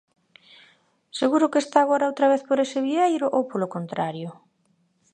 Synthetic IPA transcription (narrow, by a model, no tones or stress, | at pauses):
seɣuɾʊkest̪aːɣ̞oɾaowt̪ɾɐβ̞eθpoɾesɪβiejɾʊʔowpolokont̪ɾaɾjʊ